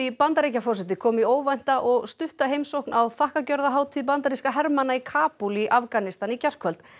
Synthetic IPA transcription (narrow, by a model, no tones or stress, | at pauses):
ipant̪aɾecafɔrs̬ɛt̪ɪkʰɔːmioːwvajn̥t̪aʔɔɣst̪ʏht̪aɦejmsowhknʔawθahkacœɾðaɦaːwt̪ʰiðp̬ant̪aɾiskaɦɛɾmanaikʰaːpuliʔafkanɪst̪anicɛr̥kʰœlt̪